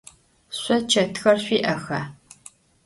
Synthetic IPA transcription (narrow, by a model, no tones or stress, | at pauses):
ɕʷɔt͡ʃʰɐtʰxɐrɕʷiːʔɐxɐː